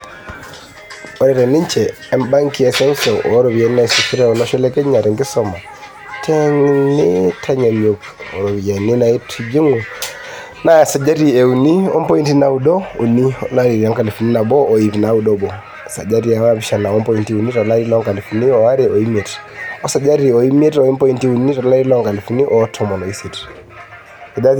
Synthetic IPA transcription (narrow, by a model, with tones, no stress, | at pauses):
ɔ˨ɾɛ˨ɾɛ˨nɪ˦ɲt͡ʃɛː˨˦mba˦ŋki˦ɛ˨sɛ˦nsɔ˨ʔɔ˨˦ɾɔ˨bi˨e˨ni˦na˨i˦su˨fi˦ɾɛ˦ɔ˨nɔ˦ʃɛ˦lɛ˦kɛ˦ɲa˨ɾɛ˨ŋɡɪ˦sɔ˨ma˨ | tʰɛ˦ŋnɪ˦tʰa˦ɲa˨ɲo˨k | ɔ̰˨ɾo˨βi˨je˨ni˦na˨i˦tʰid͡ʒi˦ŋo˨ | na˦˨sa˨d͡ʒa˦ɾi˦˨e˨u˨ni˦ɔ̰˦mpɔ˦i˦nti˦na˨u˨˦dɔ˦u˨ni˦ɔ̰˨la˦ɾi˨ɾa˦ŋka˨li˨fu˨ni˦na˨bɔː˦˨i˨pi˨na˨˦u˨dɔ˦bɔ˨ | sa˨d͡ʒa˦ɾi˦˨a˨wa˦βi˦ʃa˨na˨ɔ˦mpɔ˦i˦nti˦u˨ni˦tɔ˨la˦ɾi˦lɔ˦ŋka˨li˨fu˨ni˦ɔ˨a˦ɾi˨ɔ˨i˦mɛ˨ti̥ɔ˦sa˨d͡ʒa˦ɾi˨ɔ˨i˦m˦ɛ˦tɔ˨i˦mpɔ˦i˦nti˦u˨ni˦tɔ˨˦la˦ɾi˦lɔ˦ŋka˨li˨fu˨ni˦ʔɔ˨˦tʰɔ˨mɔ˨lɔ˨i˦si˨ti̥ | ɛ˨da˦